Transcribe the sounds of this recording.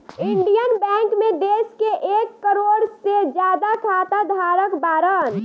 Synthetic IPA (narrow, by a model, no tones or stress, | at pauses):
iɳɖijənbɛ̃ŋkmed̪eskeʔekːəɾoɽsed͡ʒjad̪akʰat̪ad̪ʱaɾəkbaːɾən